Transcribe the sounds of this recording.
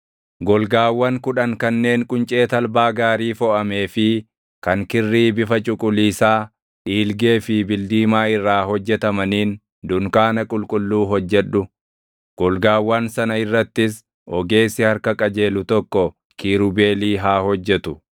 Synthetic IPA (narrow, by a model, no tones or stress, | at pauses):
ɡɔlɡaːwːɐŋkʊᶑɐŋkɐnːe̞ːŋkʼʊnt͡ʃʼe̞ːt̪ɐlbaːɡaːɾiːfɔʔɐme̞ːfɪ | kɐŋkɪrːiːbɪfɐt͡ʃʼʊkʼʊliːsaː | ᶑiːlɡe̞ːfɪbɪld̪iːmaːɪrːaːhɔd͡ʒːɛt̪ɐmɐniːn | d̪ʊŋkaːnɐkʼʊlkʼʊlːuːɦɔd͡ʒːɛᶑːʊ | ɡ̥ɔlɡaːwːɐnsɐnɐɪrːɐt̪ːɪs | ʔɔɡe̞ːsɪhɐɾkɐkʼɐd͡ʒe̞ːlʊt̪ɔkːɔ | kiːɾʊbe̞ːliːɦaːhɔd͡ʒːɛt̪ʊ